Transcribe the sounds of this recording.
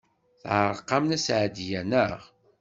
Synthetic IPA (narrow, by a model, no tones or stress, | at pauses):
θʕəɾˤqːɑmnæsʕd̪jænəʁ